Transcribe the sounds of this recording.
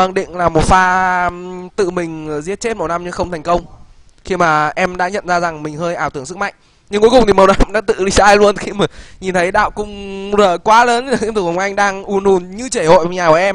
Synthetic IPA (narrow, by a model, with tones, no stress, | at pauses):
ʔa˨˩ŋɗḭ̈˧˨ŋ̟laː˨˩mo˨˩t̚faː˧ | t̪ɨ̰˧˨mï˨˩ŋ̟˩zi˦˥ət̚t͡ɕe˦˥t̚mə˨˩wna˧mɲɨ˧˥xə˧wŋ͡mt̪ʰɛ˨˩jŋkə˧wŋ͡m | xi˧maː˨˩ʔɛ˧mɗa̰ː˧˥ɲə̰˧˨nzaː˧za˨˩ŋmï˨˩ŋ̟həː˧jʔaː˧˩wt̪ɨ˧˩əŋsɨ˦˥k̚ma̰˧˨jŋ̟ | ɲɨ˧ŋku˨˦jkʊ˨˩ŋ͡mt̪i˨˩mə˨˩wna˧mɗa̰ː˧˥t̪ɨ̰˧˨ɗi˧zaː˧jlu˧ənxi˧ma˨˩ɲi˨˩nt̪ʰə˨˦jɗa̰ː˧˨wkʊ̰˧ŋ͡mzəː˨˩kwaː˨˦ləː˨˦n˨˧t̪ʰːə˨˩wʔa˧jŋ̟ɗaː˧ŋʔu˨˩nu˨˩nɲɨ˧t͡ɕe˧˩ho̰˧˨˩ɲaː˨˩kːʔɛ˧m